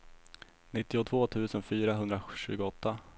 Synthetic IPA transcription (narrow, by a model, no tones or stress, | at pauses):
nɪt̪ːɪʊt̪ʰv̥oːt̪ʰʉ̟ːsənfyːɾaɦɵnd̪ɾaɕʉ̟ːɡʊɔt̪ːa